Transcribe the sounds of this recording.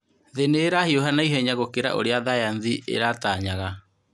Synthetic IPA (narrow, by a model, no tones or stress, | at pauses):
ðeneːɾahioɦanaiɦɛɲaɣokeɾa̰ʔo̰ɾeaðajanðiʔḛɾataːɲaɣa